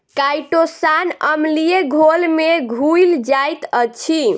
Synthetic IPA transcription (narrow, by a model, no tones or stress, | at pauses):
kajʈosanəmlijeɡʱolmeɡʱujld͡ʒajt̪ət͡ʃʰi